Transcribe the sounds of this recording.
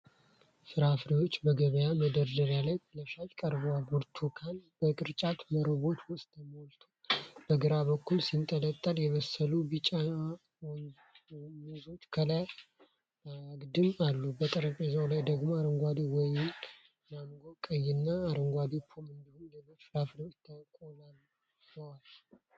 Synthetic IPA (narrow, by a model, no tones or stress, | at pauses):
sɨɾafɾiwo̞t͡ʃːbəɡəβəjaməd̪əɾd̪əɾalajt̪ʰləʃajʼkʼəɾbwaɡuɾt̪ʰukʰanb̥əkʼɨɾt͡ʃʼat̪məɾɨβo̞t̪wʊst̪ʰʼəmolt̪ʰub̥əɡɨɾaβəkːulsint̪ʼələt̪ʼːəljɛβəsːəlubɨt͡ʃʼːa | uzot̪kʰəlaj | aɡd̪ɨmalːubət̪ʼəɾəpʼezəwlajd̪əɡmoaɾɨŋɡʷad̪iwɔjɪn | namɡokʼəjːɪnːaːɾɨŋɡʷad̪ipʰːomɨnd̪ɨhumləməfɾafnəwɪt̪ʰːakʼolalː | əwalː